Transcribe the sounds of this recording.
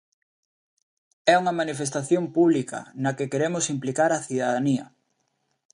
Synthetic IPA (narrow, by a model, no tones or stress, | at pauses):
ɛuŋɐmanifest̪aθjompuβlikɐ̰nɐkekeɾemʊsimplikaɾɐθiðaðaniɐ̰